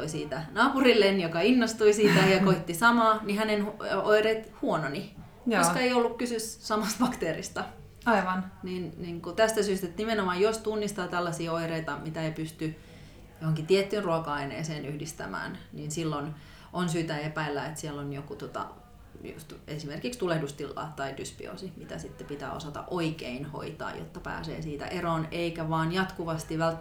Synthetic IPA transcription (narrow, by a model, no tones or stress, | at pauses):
t̪oisiːt̪ænɑːpurilːenjokɑinːost̪uisiːt̪æjɑkoit̪ːisɑmɑːnihænenhuoireit̪huononi | josskɑeiolːukkysyssɑmɑst̪fɑkt̪eːrist̪ɑ | ɑiʋɑnninniŋkut̪æst̪æsyːst̪et̪nimenomɑjjost̪unːist̪ɑːt̪ælːɑsiːoireit̪ɑmit̪æeipyst̪y | johoŋkit̪iet̪ːyːnruɑkɑɑinḛːseːnyhdist̪æmæ̰ːnninsilːon | ʔonsyːt̪æepæilːæet̪siɛlːonjokut̪ot̪ɑ̰ | jṵst̪esimerkikst̪ulehdust̪ilːɑ̰ːt̪ːɑidyspḭo̰simit̪æ̰sit̪ːepit̪æ̰ːosɑt̪ɑ̰ʔoikeinho̰it̪ɑ̰ːjo̰t̪ːɑpæ̰ːsḛːsiːt̪æ̰ʔeroːneikæʋɑːnjɑt̪kuʋɑst̪iʋælt̪ː